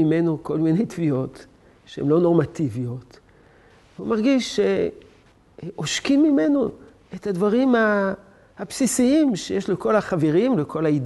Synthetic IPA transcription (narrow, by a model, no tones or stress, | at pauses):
imenoko̞lmine̞jtvio̞t | ʃehemlo̞no̞ʁmativio̞t̪ | veumaʁɡiʃːe | ʔoʃkimːime̞no | etadvaʁima | hapsisiimʃejeʃleko̞laχaveʁimlekʰo̞laid